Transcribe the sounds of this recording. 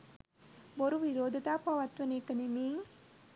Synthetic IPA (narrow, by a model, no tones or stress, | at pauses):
boɾuʋiɾoːd̪ʱɐt̪aːpaʋɐt̪ʋɐnekənemiːŋ